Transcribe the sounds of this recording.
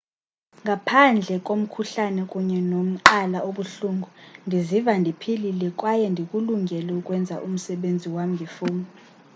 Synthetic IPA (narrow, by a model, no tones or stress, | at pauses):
ŋɡʱapʰand͡ɮʱɛkʼom̩kʰuɬanɛkʼuɲɛnom̩ǃalaʔoɓuɬuŋɡʱundʱizivandʱipʰililɛkʼwajɛndʱikʼuluŋɡʱɛlɛukʼwɛnd͡zʱa̰ʔum̩sɛɓend͡zʱiwam̩ŋɡʱifuːmi